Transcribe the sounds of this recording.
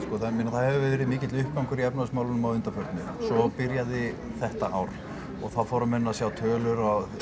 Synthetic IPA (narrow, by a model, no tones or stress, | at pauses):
skɔːθamɪnːaθaðhɛvʏvɛɛːɾɪðmɪːcɪt̪lʏhp̚kawŋkʏɾiɛpnaʏsmaːwlʏnʏmawʏnt̪afœɾt̪nʏsɔpɪɾjaðɪ | θɛht̪aʔawɾ̥ | ɔɣθaðfɔːwɾamɪnːasjawt̪ʰœːlʏɾa